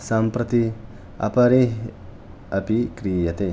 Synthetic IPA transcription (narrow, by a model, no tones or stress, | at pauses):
sampɾɐt̪i | ɐ̰pɐɾeɦ | ɐpikɾijɐt̪e